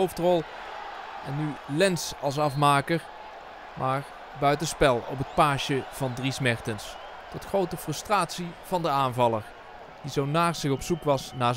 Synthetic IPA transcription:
owftrɔlˠ | ɛnːylɛnsɑlˠs̬ɑfmaːkəɹ | mʔaːr | bœɥtəspɛlˠɔ̰p̬ɦət̚paːʃəv̥ɑndrismɛɹtəns | tɔtχrowtəfrɵstraːtsiv̥ɑndəaːnvɑlˠəɹ | d̥izownaːrz̥ɪɣɔpsukʋɑsnaː

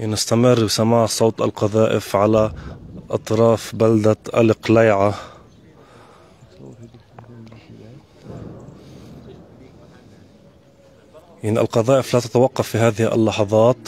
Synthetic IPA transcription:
nɪst̪amɪrːbɪsamaːʕsˤoːt̪ˤʔa̰lqɑðaːʔɪ̰fʕalaʔɑt̪ˤɾˤɑːfbald̪aʔa̰lɪqlajʕa | jaʕniʔa̰lqɑðaːʔɪflaːt̪ḁt̪awɑqːɑfːiɦaːðɪhʔa̰lːɑħɑðˤɑːt̪

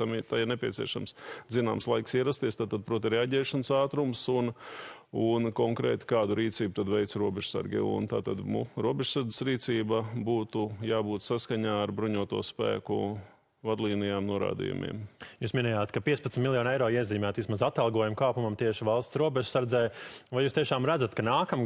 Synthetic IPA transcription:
t̪amit̪aɪɾnepʲiɛsḭɛʃa̰mszina̰ːmslˠajksiɛɾast̪iɛst̪aːt̪ːad̪̚pɾuɔt̪iɾɛaɟɛːʃɐnsaːt̪ɾumsun | unkɔŋkɾɛ̰ːt̪i̥kaːd̪uɾiːt̪siːbut̪ad̪ʋɛjt̪sɾuɔbɛʒ̥sa̰ɾɡʲɛ̰ṵnt̪a̰ːt̪a̰d̪muɾuɔbeʒsaɾd̪d͡z̪ɪ̥sɾiːt̪siːbabuːt̪ujaːbuːt̪saskaɲaːɾbɾuɲuɔt̪uɔspæ̰ːkṵ | vad̪lˠiːnijaːmnuɔɾa̰ːd̪ḭjṵmḭɛmjuːsminɛjaːt̪kapiɛspɐt̪mt̪milˠjɔːnɛjɾɔːiɛziːmæːt̪ʋismazat̪alˠɡuɔjumkaːpumɐmt̪iɛʃɪvalˠst̪sɾuɔbɛʒsaɾd̪zɛjvajuːst̪iɛʃaːmɾædzat̪kanaːkam

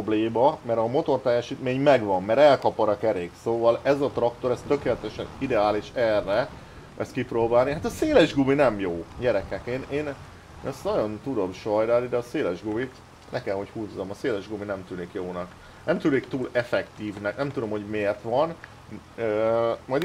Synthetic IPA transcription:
obleːmɒmɛɾɒmo̞t̪ort̪ɛjːɛʃiːt̪meːɲmɛɡʋɒmːɛɾɛlkɒpɒɾɒkɛɾeːɡsoːvɒlɛzɒt̪rɒkt̪o̞ɾɛst̪ø̞keːlɛt̪ɛʃɛnid̪ɛaːliʃɛrːɛ | ɛst̪kiproːbaːlniɦat̪ɒseːlɛʒɡuminɛmjoːɟɛɾɛkɛkeːneːn | nɛst̪nɒɟo̞nt̪ud̪o̞bʃɒjd̪aːlid̪ɛɒseːlɛʒɡumit̪ | nɛkɛlɦo̞chuːzːɒmɒseːlɛʒɡuminɛmt̪yːnikjoːnɒk | nɛmt̪yːnikt̪uːlɛfɛkt̪iːvnɛknɛmt̪ud̪o̞mho̞ɟmeːrt̪ʋɒn | ømɒj̪

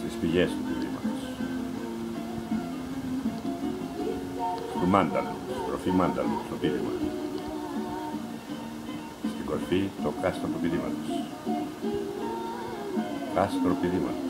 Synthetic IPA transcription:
st̪ispiʝest̪upiðḭmɐt̪os | t̪umɐnd̪ɐ̰nust̪ɾofimɐnd̪ɐ̰nust̪opiðimɐ̰t̪o | st̪iŋɡo̞ɾfit̪o̞kɐst̪ɾot̪upiðimɐ̰t̪os | kast̪ɾopiðimɐ̰t̪o

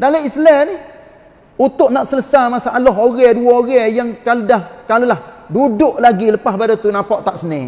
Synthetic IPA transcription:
dalaislɛnih | ut̪ʊʔ̚naʔsələsamasaʔalɔɦoɣɛduaoɣɛjaŋkaludahkalulahdudʊʔlaɡiləpahbadat̪unapɔʔt̪aʔsəne

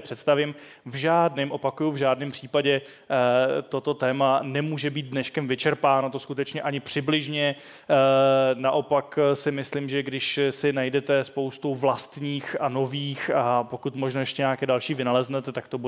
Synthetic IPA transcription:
pr̥ɛt̪st̪avɪm | vʒaːdnɛːmʔo̞pakujuvʒaːdnɛmpr̥iːpaɟɛ | t̪o̞t̪o̞t̪ɛːmanɛmuːʒɛbiːt̪̚dnɛʃkɛmvɪt͡ʃɛɾpaːnot̪o̞skut̪ɛt͡ʃɲɛʔaɲɪpr̝̥ɪblɪʒɲɛ | naʔo̞paksɪmɪslɪmʒɛɡdɪʃsɪnajdɛt̪ɛspo̞wst̪owvlast̪ɲiːxano̞viːxapo̞kut̪moʒnajɛʃcɛɲaːkɛːdalʃiːvɪnalɛznɛt̪ɛt̪akt̪o̞bu

